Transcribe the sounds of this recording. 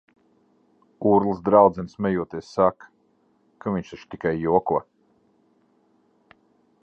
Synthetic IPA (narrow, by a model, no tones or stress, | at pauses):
uːɾlˠɨsd̪ɾawd̪zɛnsmʲɛjuɔt̪iɛssak | kʰaviɲʃaʃt̪ikajːuɔkuɔ